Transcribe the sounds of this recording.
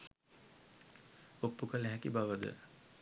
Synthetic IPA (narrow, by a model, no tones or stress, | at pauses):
opːukəlæɦɛkibaʋəd̪ə̰